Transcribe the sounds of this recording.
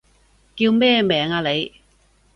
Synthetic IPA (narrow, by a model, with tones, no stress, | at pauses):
kiː˧wmɛː˥˩mɛː˨ŋaː˧le˨˧j